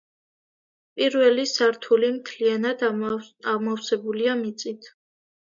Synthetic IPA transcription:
pʼiɾvɛlisaɾt̪ʰulimt̪ʰlianad̪amɔfsɛbuliamit̪sʼit̪ʰ

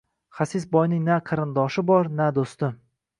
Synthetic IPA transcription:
χasɪsbɒjnɪŋnaqʰɨɾɪnd̪ɒʃɪbɒɾnad̪ost̪ɪm

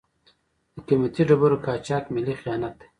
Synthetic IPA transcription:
d̪̥əkimɐt̪iɖɐbuɾokaːt͡ʃaːkmilixijaːnɐt̪

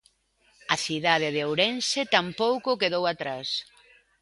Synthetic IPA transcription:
ɐθiðað̞ɪðeowɾensɪt̪ampowkʊkeðowat̪ɾas

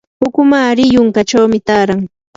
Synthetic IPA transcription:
hʊkʊmaɾɪjʊŋkat͡ʃawmɪt̪aːɾaŋ

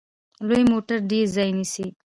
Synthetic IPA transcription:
lojmoːʈəɾɖizajnisi

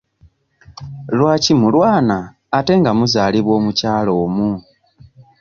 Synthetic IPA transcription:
lwaːcimulwaːnaː | te̞ŋɡamuzaːliβwo̞ːmucaːlo̞ːmu

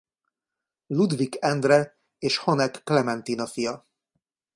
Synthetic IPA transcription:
lud̪vikɛnd̪rɛ | eːʃhonɛkːlɛmɛnt̪inɒfijɒ

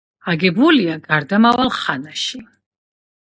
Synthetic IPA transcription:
aɡɛbuliaɡaɾd̪amavalχanaʃi

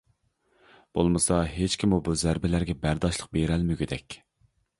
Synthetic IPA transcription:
b̥olˠmɨsɑɦet͡ʃkʲʰimubuzæɾbɪlæɾɡʲɛbæɾd̪ɑʃlˠəq̚beɾɛlmyɡʲid̪ɛkʲ

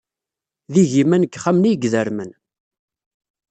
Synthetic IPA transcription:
ðiʝimænəkːχamnijɡðəɾmən

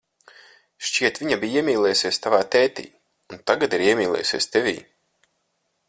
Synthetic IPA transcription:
ʃt͡ʃiɛt̪vʲiɲabijiɛmʲiːlˠɛːjusiɛst̪avaːt̪ɛːt̪ḭː | unt̪aɡat̪iɾiɛmʲiːlˠʲɛ̰ːjusʲiɛst̪ɛvʲḭː

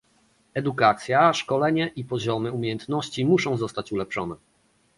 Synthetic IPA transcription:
ɛd̪ukat̪sʲjaʂkɔlɛɲɛʔipɔʑɔmɘumʲjejɛnt̪nɔɕt͡ɕimuʂɔ̃w̃zɔst̪at͡ɕulɛpʂɔnɛ

